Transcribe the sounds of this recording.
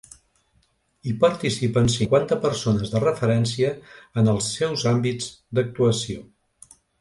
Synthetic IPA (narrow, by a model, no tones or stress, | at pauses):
ipəɾt̪isipənsiŋkwant̪əpəɾsonəzðərəfəɾɛnsiəːnəlˠsːɛwzambid͡zd̪ək̚t̪uəsio